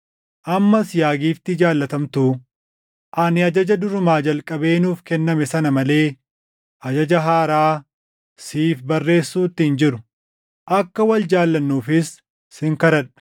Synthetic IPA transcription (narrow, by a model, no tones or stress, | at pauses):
ʔɐmːɐsjaːɡiːft̪ɪd͡ʒaːlːɐt̪ɐmt̪uː | ʔɐnɪɐd͡ʒɐd͡ʒɐd̪ʊɾʊmaːd͡ʒɐlkʼɐbe̞ːnuːfkɛnːɐmɛsɐnɐmɐle̞ː | ʔɐd͡ʒɐd͡ʒɐɦaːɾaː | siːfbɐrːe̞ːsːuːt̪ːɪhɪnd͡ʒɪɾʊ̥ | ʔɐkːɐwɐld͡ʒaːlːɐnːuːfɪsː | ɪŋkɐɾɐᶑɐ̥